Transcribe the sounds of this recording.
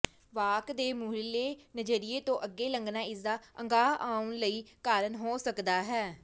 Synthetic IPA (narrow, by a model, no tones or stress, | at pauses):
ʋaːkd̪eːmuːɦleːnəd͡ʒəɾɪeːt̪õːʔəɡːeːləŋɡnaːɪzaːəŋɡaːʔaːʊnləiːkaːɾənɦoːsəkd̪aːɦɛː